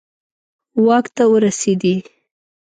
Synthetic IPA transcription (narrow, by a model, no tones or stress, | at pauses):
wɑkt̪awəɾased̪i